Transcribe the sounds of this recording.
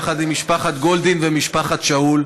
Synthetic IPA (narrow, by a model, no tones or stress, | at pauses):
χad̪imiʃpaχat̪ɡo̞ld̪invemiʃpaχat̪ʃaul